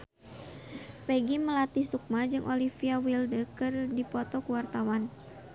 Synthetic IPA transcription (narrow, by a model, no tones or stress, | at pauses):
peɡiməlat̪isuk̚mad͡ʒɨŋʔolifiawildəkɨrdipɔt̪ɔkuwart̪awan